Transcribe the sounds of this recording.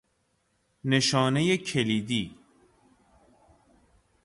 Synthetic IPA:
neʃɒːne̞jecʰeliːd̪iː

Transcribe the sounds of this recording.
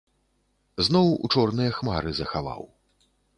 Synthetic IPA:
znɔwṵt͡ʂɔrnɨjɐxmaɾɨzɐxava̰w

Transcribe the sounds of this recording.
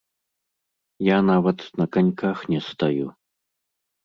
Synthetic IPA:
janavɐt̪nɐkanʲkaxnʲɛst̪aju

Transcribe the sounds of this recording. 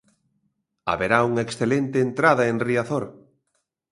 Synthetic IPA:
a̰βeɾauŋɐeksθelent̪ɪːnt̪ɾaðɐenriaθoɾ

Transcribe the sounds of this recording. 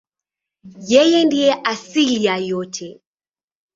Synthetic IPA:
jɛjɛndijɛʔasilijajɔtʰɛ

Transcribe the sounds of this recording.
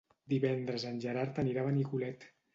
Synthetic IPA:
d̪iβɛnd̪ɾəzənʲʒəɾaɾt̪əniɾaβənikulɛt̪

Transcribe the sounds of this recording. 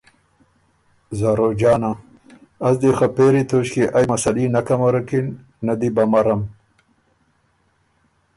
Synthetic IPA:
zaːɾod͡ʑaːna | ɐzd̪exapeɾit̪ʰoɕkeʔajmɐsɐlinɐkɐmɐɾɐkinː | ɐd̪ibɐmɐɾɐm

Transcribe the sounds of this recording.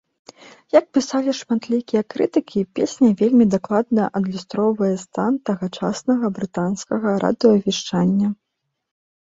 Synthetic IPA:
jɐk̚pʲisalʲiʂmat̪lʲikʲijɐkɾɨt̪ɨkʲipʲesʲnʲɐvʲelʲmʲid̪aklˠad̪nɐʔɐd̪lʲust̪ɾɔwvɐjɛst̪ant̪ɐɣɐt͡ʂasnɐɣɐbɾɨt̪anskɐɣɐɾʔa̰d̪ɨjɔɐvʲiʂt͡ʂanʲːɐ

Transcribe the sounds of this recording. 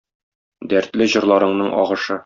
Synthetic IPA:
d̪æɾt̪lɘʑɤ̆ɾlˠɑɾɤ̆ɴnɤɴʔɒ̰ʁɤ̆ʃɤ

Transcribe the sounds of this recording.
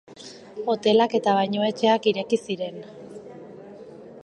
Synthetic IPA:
o̞t̪e̞lake̞t̪aβajɲoe̞t͡ʃe̞akiɾe̞kisiɾe̞n

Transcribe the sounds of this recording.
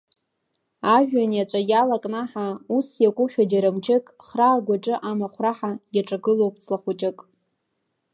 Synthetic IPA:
aʒᶣanat͡ʃʷʼajalakʼnaħausjakʷʼʊʃᶣad͡ʒaɾamt͡ʃʰɪkʼχraːɡʷaʈ͡ʂʼɨʔamaχʷraħajaʈ͡ʂʼaɡɨlowpʰt͡sʰlaχʷʊt͡ʃʼɪkʼ

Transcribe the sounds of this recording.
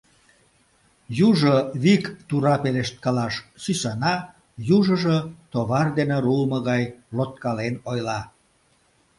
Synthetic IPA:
juʒoβikt̪uɾɑpeleʃt̪̚kɑlɑʃsysɑnɑ | juʒəʒət̪oβɑrd̪eneɾulməɣɑjlot̪̚kɑlenojlɑ

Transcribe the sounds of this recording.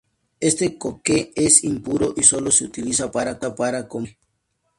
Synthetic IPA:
est̪ekokeesimpuɾoʔisoloseut̪ilisapaɾakapaɾakome

